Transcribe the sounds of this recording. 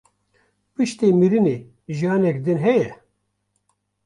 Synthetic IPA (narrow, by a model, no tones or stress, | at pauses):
pɨʃt̪iːmiɾɨneː | ʒijɑːnɛkd̪ɨnɦɛjɛ